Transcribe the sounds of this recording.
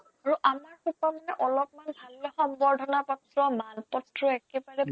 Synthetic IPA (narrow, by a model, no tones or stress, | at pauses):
aɹuʔamaɹkupɔmanɛʔɔlɔpmanbʱalːɔxɔmbɔɹdʱɔnapɔtɹɔmanpɔtɹɔɛkɛbaɹɛ